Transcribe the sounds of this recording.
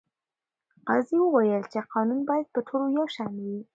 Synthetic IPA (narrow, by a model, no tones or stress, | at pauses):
ɑziwəwajəlt͡ʃeqɑnunbɑjad̪̚pəʈʰolojawʃanwi